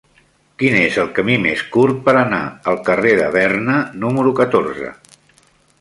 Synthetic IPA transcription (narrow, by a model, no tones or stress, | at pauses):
kinezəlˠkəmimeskuɾt̪̚pəɾəna̰əlˠkəreðə̰β̞ɛrnənuməɾukət̪oɾzə̰